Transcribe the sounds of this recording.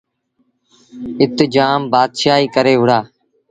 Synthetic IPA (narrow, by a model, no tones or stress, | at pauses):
ɪt̪d͡ʒaːmbaːd̪ʃaːiːkəɾeːʋʊɽaː